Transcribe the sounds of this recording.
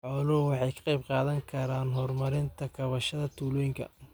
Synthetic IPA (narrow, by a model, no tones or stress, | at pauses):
ħɔːlɐʊwɑħɑjkʰɐ̥qɑjb̚qɑːðɐŋkʰɐɾaːnɦɔrmɐɾɪnt̪ʰɐkʰɐβɐʃɐðɐt̪ʰuːlɔːjɪŋkʰɐ̰